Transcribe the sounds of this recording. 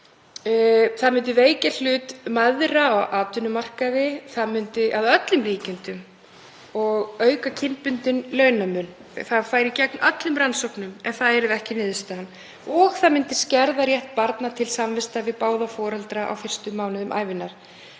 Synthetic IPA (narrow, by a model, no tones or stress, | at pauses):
θaðmʏnt̪̬ɪveːjcal̥ʏːt̪maðɾaɔɣʔaːt̪ʏnʏmar̥kaðɪθaðmʏnt̪ɪʔaðœt̪lʏmriːcɪnt̪ʏm | ɔɣœːɥkacʰɪmpʏnt̪ʏnlœːɥnamʏn | θaðfaːjɾɪcɛk̚nœt̪lʏmransɔwknʏmɛnθaðɛɾɪðɛhcɪnɪːðʏst̪aan | ɔɣθaðmʏnt̪ɪscɛɾðaɾjɛht̪̚paɾt̪nat̪ʰɪlsamvɪst̪avɪpaːwðafɔːɾɛlt̪ɾaʔa̰wfɪr̥st̪ʏmːaːwnʏðʏmʔa̰ːjvɪnːaɾ̥